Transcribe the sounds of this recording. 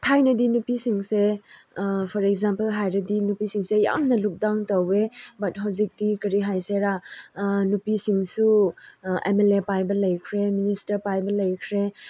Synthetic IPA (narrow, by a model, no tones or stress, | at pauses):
tʰajnɐdinupisiŋse | pʰɔɾekzampɐlɦajɾɐdinupisiŋseja̰mnɐluk̚daŋtowebɐt̚ɦawzik̚dikɐɾiɦajseɾa | nupisiŋsu | ḛmelepajbɐlɐjkʰɾeministɐɾpajbɐlɐjkʰɾe